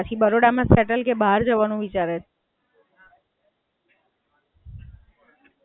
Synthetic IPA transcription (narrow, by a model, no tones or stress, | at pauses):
ət͡ʃʰibəɾoɽamãsɛʈəlkebɦaɾd͡ʒəʋanũʋit͡ʃaɾet